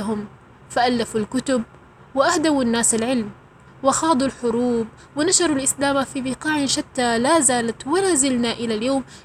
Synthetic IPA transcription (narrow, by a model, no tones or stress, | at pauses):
ɦʊm | faʔalːafalkʊt̪ʊb̚ | wɪʔahd̪awanːaːsalʕɪlm | wɪxɑːd̪ˤulħʊɾuːb̚ | wɪnaʃɑɾˤulʔɪslaːmafibɪqɑːʕɪʃat̪ːalazaːlat̪walazɪlnaʔɪlaljoːm